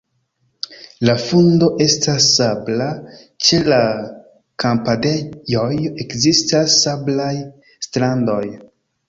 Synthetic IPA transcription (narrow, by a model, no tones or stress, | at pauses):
lafundo̞ʔe̞stasːabla | t͡ʃe̞la | kampade̞jojekzistasːablaj | stɾando̞j